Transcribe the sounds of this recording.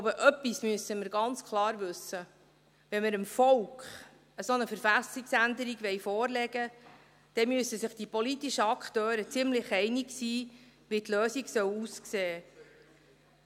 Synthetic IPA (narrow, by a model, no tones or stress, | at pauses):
bəʔœpːismyəsəməɾɡɑnt͡skʰlˠɑːɾʋɵsːə | ʋɛnməɾəmfɔwkχ | əsonəfəɾfæsiksænd̪əɾiɡʋɛɪfɔːrlɛɡ̥ə | d̥ɛmyəsəsɪχd̥ipɔlitiʃəɑkʰt̪øːɾət͡sɪmlɪχɛɪniksiːʋit̪løːsiɡsœwuskseː